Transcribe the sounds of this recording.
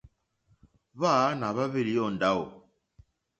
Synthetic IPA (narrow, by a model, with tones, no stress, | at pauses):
βa˦na˨βa˦βi˦li˨jɔ˦˨n˨da˦o˨